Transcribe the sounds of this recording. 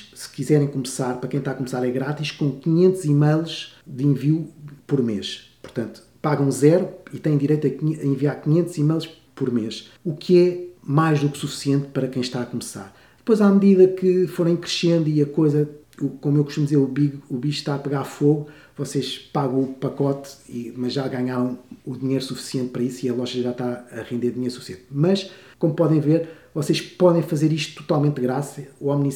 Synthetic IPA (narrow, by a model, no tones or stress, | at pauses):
sɨ̥kizɛɾɐ̃j̃kumsaɾpɐɾɐkɐ̃j̃ʃt̪aɐkumsaɾɛɣɾat̪iʃkõkiɲẽnt̪zimɐjlˠʃd̪ĩviupɔɾmeʃpuɾt̪ɐ̃nt̪u̥ | paɣɐ̃w̃zɛɾuit̪ɐ̃j̃d̪iɾejt̪ɐkɐĩviaɾkiɲẽnt̪z̥imɐjlˠʃ | pɔɾmeʃ | ukʰɨɛmajʒðuksufi̥siẽnt̪pɐɾɐkɐ̃j̃ʃt̪aɐkumsa̰ɾ | d̪ɨ̥pojzamðiðɐkɨfoɾɐ̃j̃kɾɨʃẽnd̪uiɐkojzɐ | komuewkuʃt̪umd̪izeɾuβiɣuβiʃʃt̪aɐpɨɣaɾfoɣu | vɔseʃpaɣɐ̃upɐkɔt̪imɐʒʒaɣaɲaɾɐ̃w̃uðiɲejɾusufi̥siẽnt̪̚pɐɾɐisiɐlˠɔʒɐʒaʃt̪aɐʁẽnd̪eɾuðiɲejɾsufsiẽnt̪mɐʃ | komupɔðɐ̃j̃veɾ | vɔseʃpɔðɐ̃j̃fɐzeɾiʃt̪u̥t̪ːu̥t̪alˠmẽnt̪dɣɾasɐamni